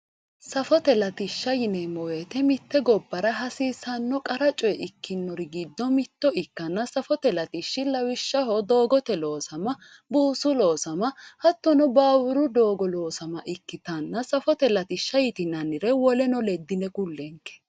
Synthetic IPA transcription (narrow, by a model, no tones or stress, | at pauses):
sɐfɔt̪ɛlɐt̪ɪʃːɐjɪnɛmɔweːt̪ɛmɪt̪ːɛɡɔbːɐɾɐɦɐsiːsɐnːɔkʼɐɾɐt͡ʃʼɔjɛʔɪkːɪnːɔɾɪɡid̪ːɔmɪt̪ːɔɪkːɐnːɐsɐfɔt̪ɛlɐt̪ɪʃːɪlɐwɪʃːɐɦɔd̪o̞ːɡɔt̪ɛlo̞ːsɐmɐ | buːsʊlo̞ːsɐmɐhɐt̪ːɔnɔbaːwʊɾʊd̪o̞ːɡɔlo̞ːsɐmɐʔɪkːɪt̪ɐnːɐsɐfɔt̪ɛlɐt̪ɪʃːɐjɪt̪ɪnɐnːɪɾɛwɔlɛnɔlɛd̪ːɪnɛkʊlːɛŋkːɛ̥